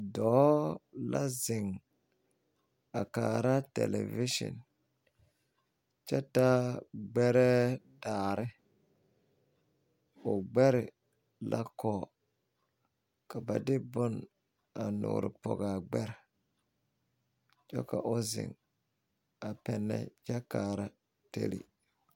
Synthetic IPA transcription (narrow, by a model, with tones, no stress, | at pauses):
dɔː˨˦la˦zɪ˨ŋ | a˨kaː˨ɾa˦tɛ̰˨le˨vi˦ʃɔ̰˨n | t͡ʃɛ˦ta˦ɡ͡bɛ˦ɾɛ˦taː˨ɾɪ˦ | ʊ˨ɡ͡bɛ˦ɾɪ˨ | lʔa˦kɔː˨ | ka˨ba˨dɪ˦bʊ˦n | a˨nʊ̰ː˨ɾɪ˨pɔ̰˨ɡa˨ɡ͡bɛ˦ɾ | t͡ʃɔ̰˦ka˨ʔʊ˦zɪ̰˨ŋ | a˨pɛ˨nːɛ̰˦d͡ʒa˦kaː˨ɾa˦ | tḛ˦lḭ˨